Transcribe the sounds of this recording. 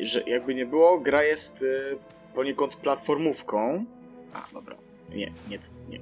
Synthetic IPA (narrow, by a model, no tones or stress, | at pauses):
ʐɛjʔaɡ̚bɘɲɛbɘwɔɡɾajɛst̪ | pɔɲɛkɔnt̪plat̪fɔɾmufkɔ̃w̃ | ʔa̰d̪ɔbɾa̰ | ɲɛ̰ɲɛt̪ɲɛ̰